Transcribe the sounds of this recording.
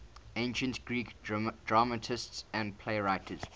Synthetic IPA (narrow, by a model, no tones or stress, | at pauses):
ẽɪ̃nʃə̃ntɡ̥ɹiːkd̥ɹamətʰɪstsæ̃ndpʰleɪɹaɪtʰəz̥